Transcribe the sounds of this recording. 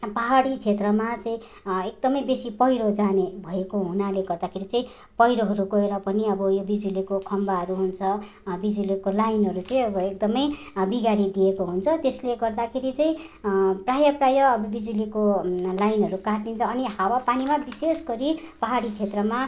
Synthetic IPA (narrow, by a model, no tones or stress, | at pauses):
paɦaɽit͡sʰet̪rʌmat͡sʌĩ | ek̚d̪ʌmʌjbesipʌjɾod͡zanebʱʌekoɦunaleɡʌrd̪akʰeɾit͡sʌĩ | pʌjɾoɦʌɾuɡʌeɾʌpʌniʌbʌjobid͡zulikokʰʌmbaɦʌɾuɦunt͡sʰʌ | bid͡zulikolajnɦʌɾut͡sʌĩʌbʌek̚d̪ʌmʌj | biɡaɾid̪iekoɦunt͡sʰʌt̪esleɡʌrd̪akʰeɾit͡sʌĩ | prajʌprajʌːbʌbid͡zulikolajnɦʌɾukaʈnint͡sʰʌːnihawapanimabisesɡʌɾipaɦaɽit͡sʰet̪rʌma